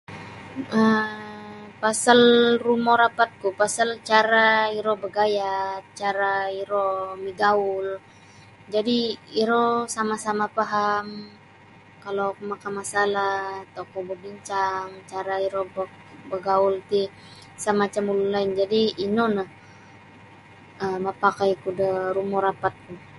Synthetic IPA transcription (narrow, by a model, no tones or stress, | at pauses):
ə | pasalrumɔɾapat̪̚kupasalt͡ʃaɾaiɾɔbəɡajat͡ʃaɾaiɾɔmiɡaul | d͡ʒadiiɾɔsamasamapaɦam | kalokumakamasalat̪okɔbəbiɲt͡ʃaŋt͡ʃaɾaiɾɔbɔk | bəɡault̪i | səmat͡ʃamululaɪnd͡ʒadiːnonah | əmapakajkudəɾumɔɾapat̪̚ku